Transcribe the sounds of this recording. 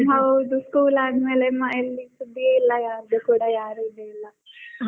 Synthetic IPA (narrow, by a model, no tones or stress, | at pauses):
ɦɐwd̪uskuːlaːd̪meːlemaelːisud̪ːijeilːajaːɾd̪ekuːɽajaːɾud̪eilːa